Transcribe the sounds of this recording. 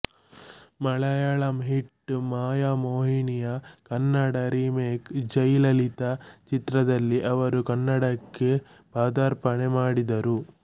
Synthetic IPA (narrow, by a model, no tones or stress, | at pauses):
mɐɭɐjɐɭɐmɦiʈːmaːjamoːɦiɳijɐkɐnːɐɽɐɾiːmeːkd͡ʒɐjlɐlit̪ɐt͡ʃit̪ɾɐd̪ɐlːiʔɐʋɐɾukɐnːɐɽɐkːe | paːd̪aːɾpɐɳemaːɽid̪ɐɾu